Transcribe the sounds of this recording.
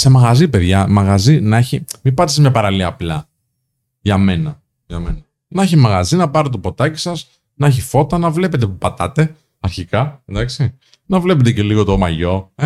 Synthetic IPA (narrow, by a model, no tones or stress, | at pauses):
se̞mɐɣɐzipeðʝɐmɐɣɐzinɐeçimipɐt̪isemɲɐpɐɾɐliɐːplɐ | ʝɐme̞nɐ | ʝɐme̞nɐ | nɐeçimɐɣɐzinɐpɐɾt̪t̪opo̞t̪ɐci̥sɐs | nɐeçifo̞t̪ɐnɐvle̞pe̞t̪̬epupɐt̪ɐt̪e̞ | ɐɾçikɐnd̪ɐksi | nɐvle̞pet̪̬ece̞liɣo̞t̪omɐʝo̞e